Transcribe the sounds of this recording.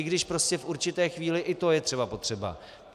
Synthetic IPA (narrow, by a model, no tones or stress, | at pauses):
ɪɡdɪʃpɾo̞scɛfʔuɾt͡ʃɪt̪ɛːxviːlɪʔɪt̪o̞jɛt̪r̝̥ɛbapo̞t̪r̝̥ɛba̰